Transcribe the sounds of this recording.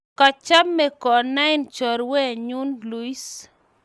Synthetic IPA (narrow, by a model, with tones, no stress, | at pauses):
ka˨t͡ʃa˦mːe˨kɔ˨na˦ɪnt͡ʃɔ˨ɾwɛ˦˨ɲu˦nlu˦i˦s